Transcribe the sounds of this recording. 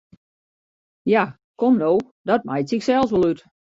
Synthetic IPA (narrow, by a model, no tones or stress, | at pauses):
ja | komnoː | dɔt̚majtsɪksɛlˠsʋolˠyt